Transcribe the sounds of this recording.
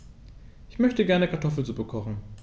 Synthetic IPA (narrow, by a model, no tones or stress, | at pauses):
ʔɪçmœçtəɡɛɐnəkʰaɐtʰɔfl̩t͡subəkʰɔχn̩